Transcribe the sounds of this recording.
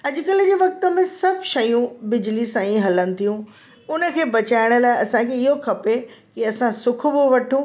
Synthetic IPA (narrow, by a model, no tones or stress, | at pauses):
ɐʄʊkɐlɪ̆d͡ʑeːʋɐk̚t̪ə̆mẽsɐbʱʃɐjũbɪd͡ʑlisãĩɦɐlənɪ̆t̪ʰijũ | ʊnə̆kʰeːbɐt͡ɕaːɪɽ̃ʊ̆laːɪɐsãkʰeɪɦokʰɐpekiɐsãsʊkʰʊ̆ʋoʋɐʈʰũ